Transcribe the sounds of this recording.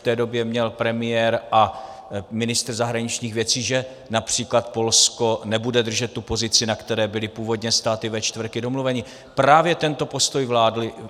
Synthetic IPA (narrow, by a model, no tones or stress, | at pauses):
t̪ɛːdo̞bjɛmɲɛlpɾɛmɪjɛɾʔa | mɪnɪst̪rzaɦɾaɲɪt͡ʃɲiːxvjɛt͡siːʒɛ | napr̝̥iːklat̪̚po̞lsko̞nɛbudɛd̪r̩ʒɛt̪ːupo̞zɪt͡sɪnakt̪ɛɾɛːbɪlɪpuːvo̞d̪ɲɛst̪aːt̪ɪvɛt͡ʃt̪vr̩kɪdo̞mluvɛɲɪ | pɾaːvjɛt̪ɛnt̪o̞po̞st̪o̞jvlaːdlɪ